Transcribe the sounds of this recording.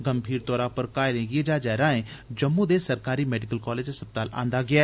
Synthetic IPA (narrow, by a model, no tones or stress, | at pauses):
ɡəmbʱiːɾt̪ɔːɾaːpəɾkaːelẽːɡied͡ʒaːd͡ʒɛːɾãːẽːd͡ʒəmːũd̪eːsəɾkaːɾiːmɛːɖɪkəlkɔːleːd͡ʒsəp̚t̪aːlã̰ːnd̪aːɡɪaː